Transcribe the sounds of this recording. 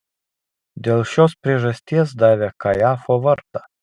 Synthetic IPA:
d̪ʲelˠʃʲɔspʲɾʲeʒɐsʲt̪ʲiɛs̬d̪ɑːʋʲɛkɐjɑːfɔʋɐɾt̪ɐ̥

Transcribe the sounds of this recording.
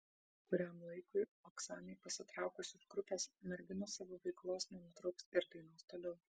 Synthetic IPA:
kʊɾʲæmlˠɐɪkʊɪoksɑːnʲeɪpɐsʲɪt̪ɾɑˑʊkʊsʲʊsɡ̥ɾʊpʲeːsmʲɛɾʲɡʲɪnoːsɑːʋoːʋɐɪklˠoːsnʲɛnʊt̪ɾɐʊksɪɾd̪ɐɪnoːst̪oːlʲɛʊ

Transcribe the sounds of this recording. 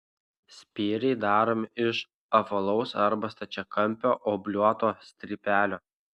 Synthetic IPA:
sʲpʲiːɾʲɛɪd̪ɑːɾoːmʲɪʃ | ɐfɐlˠɒʊsɐɾbɐst̪ɐt͡ʃʲɛkɐmʲˑpʲoːʔoːbʲlʲuɔt̪oːsʲt̪ʲɾʲipʲæːlʲoː

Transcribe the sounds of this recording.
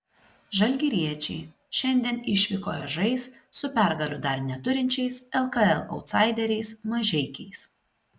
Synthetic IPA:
ʒɐlʲɡʲiɾʲiɛt͡ʃʲɛɪ | ʃʲɛnʲd̪ʲiɛnɪʃʲʋʲɪkoːjɛʒɐɪsːʊpʲæˑɾɡɐlʲʊd̪ɐɾnʲɛt̪ʊɾʲɪnʲt͡ʃʲɛɪsɛlˠkɐɛlˠɒ̰ʊt̪sɑˑɪd̪ʲɛɾʲɛɪsmɐʒʲɛɪkʲɛɪs

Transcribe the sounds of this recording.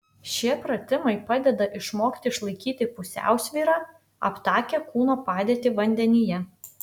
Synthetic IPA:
ʃʲiɛpɾɐt̪ʲɪmɐɪpɑːd̪ʲɛd̪ɐʔɪʃmoːkt̪ʲɪɪʃlˠɐɪkʲiːt̪ʲɪpʊsʲæ̰ˑʊsʲʋʲiːɾɑː | ɐ̰pt̪ɑːkʲɛkuːnoːpɑːd̪ʲeːt̪ʲɪʋɐnʲd̪ʲɛnʲɪjɛ

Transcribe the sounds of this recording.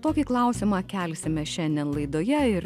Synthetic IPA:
t̪oːkʲiːklˠɐˑʊsʲɪmɑːkʲɛlʲsʲɪmʲɛʃʲɛnʲd̪ʲɛnlˠɐɪd̪oːjɛɪɾ

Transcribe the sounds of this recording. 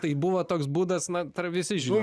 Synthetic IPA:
t̪ɐɪbʊʋoːt̪oːksbuːd̪ɐsnɐt̪ɐrʋʲɪsʲɪʒʲɪ

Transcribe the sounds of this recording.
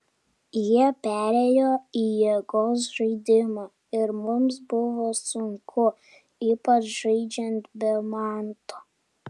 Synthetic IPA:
jiɛpʲæɾʲejoːijiɛɡoːs̬ʒɐɪd̪ʲɪmɑ | ɪɾmʊms̬bʊʋoːsʊŋkʰʊ | iːpɐt͡ʃʒɐɪd͡ʒʲɛnt̪bʲɛmɑːnt̪oː

